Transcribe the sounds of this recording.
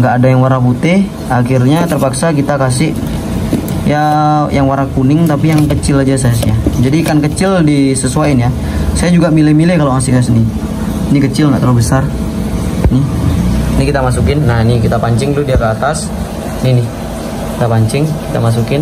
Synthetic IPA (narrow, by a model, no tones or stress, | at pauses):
ŋɡaʔːdajaŋwaɾaput̪ɪh | akirɲat̪ərpaksakit̪akas̬ɪʔ | jajaŋwaɾakunɪŋt̪apijaŋkət͡ʃɪlad͡ʒas̬ajas̬jad͡ʒadikankət͡ʃɪldisəsuainja | sajad͡ʒuɡamilɛmilɛhkaloasikasəni | nikət͡ʃɪlŋɡaʔt̪əlubəsar | nɪ | nikit̪amas̬ukɪnːaɦinikit̪apaɲt͡ʃɪŋt̪ʊhdiakəat̪as | nihnɪ | kit̪apaɲt͡ʃɪŋki̥t̪amas̬ukɪn